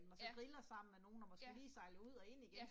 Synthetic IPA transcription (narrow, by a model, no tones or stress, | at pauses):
mn̩ɒsɒ̽ɡ̥ʁilɐsɑ̈m̰n̩meno̝ːn̩ɒmɒ̽sɡ̥eliːsɑ̈ɪləuð̰ˠɒ̽e̝n̰iɡ̥en